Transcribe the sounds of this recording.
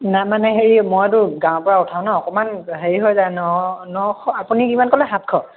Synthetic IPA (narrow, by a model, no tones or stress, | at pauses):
namanɛɦeɹimɔjat̬ʊɡãwpɔɹautʰaʊ̃nɔɔkɔmanɦeɹiɦojzanɔnɔkɔapunikimankɔlɛɦat̚kʰɔ